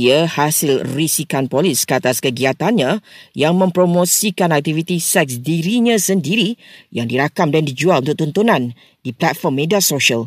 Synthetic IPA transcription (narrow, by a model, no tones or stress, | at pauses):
əhasɪlrisikanpoliskəat̪askəɡiat̪anɲãjaŋmə̃mpɾomosikanak̚t̪ivit̪isɛk̚sdiɾiɲãsəndiɾijaŋdiɾakamdandid͡ʒualunt̪ʊk̚t̪unt̪unãn | diplat̪̚fɔrmːediasoʃəl